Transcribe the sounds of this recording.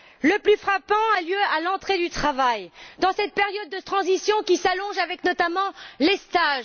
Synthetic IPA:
ləplyfχapɑ̃aljøalɑ̃t̪χed̪yt̪χavajd̪ɑ̃sɛt̪̚peʁjɔd̪ːət̪χɑ̃zisjɔ̃kʲisalɔ̃ʒavɛknɔt̪amɑ̃lest̪aʒ

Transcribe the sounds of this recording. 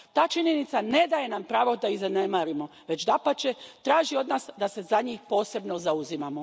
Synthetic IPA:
t̪aːt͡ʃiɲenit̪sane̞d̪aje̞nampɾaːʋo̞d̪aizanemaːɾimo̞ʋe̞t͡ʃd̪apat͡ʃet̪ɾaːʒio̞d̪naːsd̪ase̞zaɲiːxpo̞ːse̞bno̞zauzimamo

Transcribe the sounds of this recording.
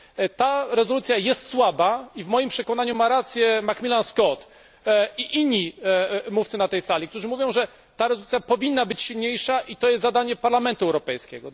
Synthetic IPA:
t̪aɾɛzɔlut̪sʲjajɛst̪swabaivmɔjimpʂɛkɔnaɲumaɾat̪sʲjɛmakmʲilanskɔt̪ | iʔiɲːimuft̪sɘnat̪ɛjsalʲik̚t̪uʐɘmuvʲjɔ̃w̃ʐɛ | t̪aɾɛzɔlut̪sʲjapɔvʲinːabɘt͡ɕɕilɲejʂaʔit̪ɔjɛst̪zad̪aɲɛpaɾlamɛnt̪uɛwɾɔpɛjskʲɛ̰ɡɔ

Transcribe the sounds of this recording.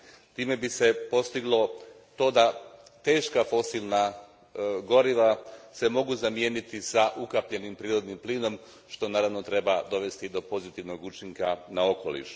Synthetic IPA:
t̪iːme̞bise̞po̞st̪iɡlˠo̞ | t̪o̞ːd̪at̪e̞ːʃkafo̞silna | ɡo̞ɾiʋase̞mo̞ɡuzamje̞nit̪isaʔukapʎe̞nimpɾiːɾo̞d̪nimpliːno̞m | ʃt̪o̞naːɾaʋno̞t̪ɾe̞bad̪o̞ʋe̞st̪id̪o̞po̞zit̪iʋno̞ɡut͡ʃiŋkanao̞ko̞lḭʃ

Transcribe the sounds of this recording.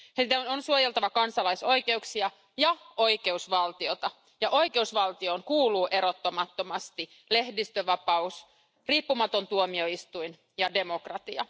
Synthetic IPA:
sit̪ænonsuojelt̪ɑʋɑkɑnsɑlɑiso̞jke̞uksiɑ | jɑʔoike̞usʋɑlt̪iot̪ɑ | jɑʔo̞ike̞usʋɑlt̪ioːnkuːluːʔe̞ɾot̪ːomɑt̪ːo̞mɑst̪i | lehdist̪øʋɑpɑus | riːpːumɑt̪o̞nt̪uomio̞ist̪uin | jɑde̞mo̞krɑt̪iɑ̰

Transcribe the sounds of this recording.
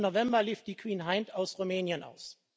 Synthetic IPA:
novɛmbɐliːfd̥iːkʰw̥iːnɦaɪntaʊsʁumɛːnjənʔa̰ʊs

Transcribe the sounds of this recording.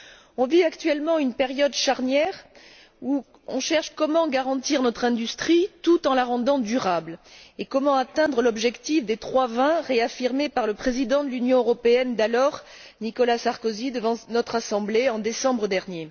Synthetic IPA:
ɔ̃viakt̪ɥɛlmɑ̃ynpeʁjɔd̪ʃaʁnjɛʁ | u | ɔ̰̃ʃɛʁʃkɔmɑ̃ɡaʁɑ̃t̪iʁnɔt̪χɛ̃d̪yst̪χit̪ut̪ɑ̃laʁɑ̃d̪ɑ̃d̪yʁablekɔmɑ̃at̪ɛ̃d̪ʁəlɔbʒɛkt̪ifd̪et̪χwavɛ̃ʁeafiʁmepaʁləpχezid̪ɑ̃d̪əlynjɔ̃øʁɔpeɛnd̪alɔʁ | nikɔlasaʁkozid̪əvɑ̃nɔt̪χasɑ̃bleɑ̃d̪esɑ̃bʁəd̪ɛʁnje

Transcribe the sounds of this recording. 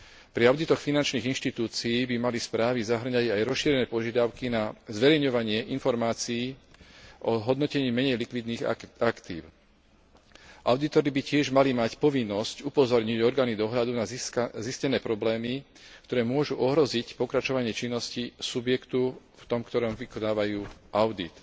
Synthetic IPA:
pɾiaʊd̪it̪ɔxfinant͡ʃniːɣinʃt̪it̪uːt͡siiːbimalispɾaːʋizaɦr̩ɲaɟajɾɔsʃiːɾɛnɛːpɔʒɪad̪aʊkinazʋɛɾɛjɲɔʋaɲɪɛʔinfɔɾmaːt͡sijiː | ʔɔɦɔd̪nɔcɛɲiːmɛɲɛjlikʋid̪niːɣakt̪ḭːʊ | ʔaʊd̪it̪ɔɾibicɪɛʒmalimacpɔʋinːɔscupɔzɔɾɲiɟɔɾɡaːnid̪ɔɦʎad̪unaziscɛnɛːpɾɔblɛːmi | kt̪ɔɾɛːmʊɔʒuʔɔɦɾɔzicpɔkɾat͡ʃɔʋaɲɪɛt͡ʃinːɔscisubjɛkt̪u | ft̪ɔmkt̪ɔɾɔmʋikɔd̪aːʋajuːʔaʊd̪ḭt̪

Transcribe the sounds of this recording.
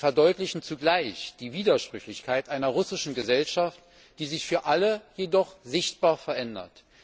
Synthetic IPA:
fɛɐdɔʏtlɪçn̩t͡suɡlaɪçd̥iːviːdɐʃpʁ̥ʏçlɪçkʰaɪtʔaɪnɐʁʊsɪʃn̩ɡəzɛlʃaft | d̥iːzɪçfyːɐʔaləjedɔχz̥ɪçt̚b̥aːɐfɛɐʔɛndɐ̰t

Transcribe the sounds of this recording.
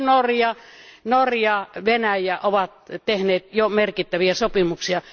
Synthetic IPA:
norjɑnorjɑʋenæjæʔoʋɑt̪t̪ehneːt̪jomerkit̪ːæʋiæsopimuksiɑ

